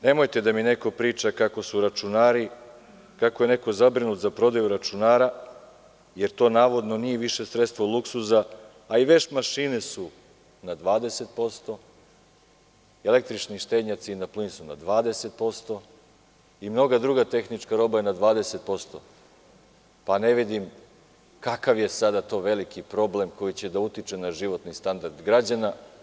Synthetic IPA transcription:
ne̞mo̞jt̪e̞d̪amine̞ko̞pɾiːt͡ʃakako̞suɾat͡ʃunaːɾi | kako̞jene̞ko̞zabɾinut̪zapɾo̞d̪ajuɾat͡ʃunaːɾa | je̞ɾt̪o̞ːnaːʋo̞d̪no̞nijeʋiʃe̞sɾet̪st̪ʋolˠuksuzaː | iʋe̞t͡ʃmaʃiːnesu | nad̪ʋaːd̪e̞se̞t̪̚po̞st̪o̞ | e̞le̞k̚t̪ɾit͡ʃniʃt̪eːd̪ɲat̪sinaplinsuna̰d̪ʋaːd̪e̞se̞t̪̚po̞st̪o̞ | imno̞ɡad̪ɾuɡat̪e̞xnit͡ʃkaɾo̞bajenad̪ʋaːd̪ese̞t̪̚po̞st̪o̞̰ | pane̞ʋid̪im | kakaʋje̞sad̪at̪o̞ːʋe̞likipɾo̞ble̞mko̞jit͡ɕe̞d̪aut̪it͡ʃenaʒiʋo̞t̪nist̪and̪aɾd̪ɡɾad͡ʑana

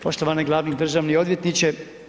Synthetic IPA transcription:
pʰo̞ʃt̪oʋaneɡlˠaːʋnid̪r̩ʒaːʋnio̞d̪ʋjet̪nit͡ɕe

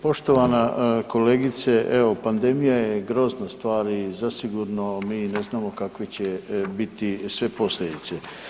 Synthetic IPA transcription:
po̞ʃt̪o̞ʋanako̞leːɡit̪seʔeʋo̞pand̪e̞mijajeɡɾo̞ːznast̪ʋaːɾizasiɡuɾno̞miːneznaːmokakʋet͡ɕebit̪isʋe̞po̞sled̪it̪se

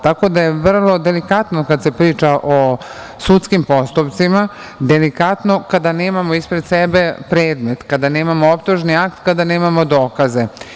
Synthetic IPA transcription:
t̪ako̞d̪ajeʋr̩lˠo̞d̪elikat̪no̞kad̪se̞pɾiːt͡ʃaʔo | sut̪skimpo̞st̪upt̪sima | d̪elikat̪no̞kad̪ane̞ːmamo̞ispɾe̞d̪̥sebe̞pɾe̞ːd̪me̞t̪kad̪ane̞ːmamoopt̪uʒniakt̪kad̪ane̞ːmamo̞d̪o̞ːkaze̞

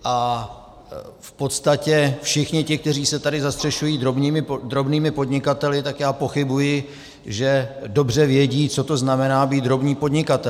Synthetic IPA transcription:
ʔa | fpo̞t̪st̪acɛfʃɪxɲɪcɪk̚t̪ɛriːsɛt̪adɪzast̪r̥ɛʃujiːdɾobɲiːmɪd̪ɾo̞bniːmɪpo̞dɲɪkat̪ɛlɪt̪akjaːpo̞xɪbujɪ | ʒɛdo̞br̝ɛvjɛɟiːt͡so̞t̪o̞znamɛnaːbiːt̪̚d̪ɾo̞bɲiːpo̞dɲɪkat̪ɛ

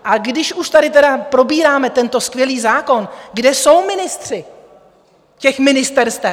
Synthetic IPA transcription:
ʔaɡdɪʃuʃt̪adɪt̪ɛdapɾo̞biːɾaːmɛt̪ɛnt̪o̞skvjɛliːzaːko̞nɡdɛso̞wmɪnɪst̪r̝̥ɪ | cɛxmɪnɪst̪ɛɾst̪ɛ

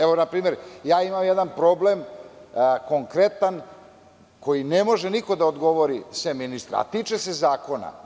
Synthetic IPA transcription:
eʋo̞napɾiːme̞ɾjaːimamjed̪anpɾo̞ble̞m | ko̞ŋkɾet̪an | ko̞jinemo̞ʒeniko̞d̪aod̪ɡo̞ʋoɾisʋeminist̪ɾa̰a̰t̪iːt͡ʃesezaːko̞na̰

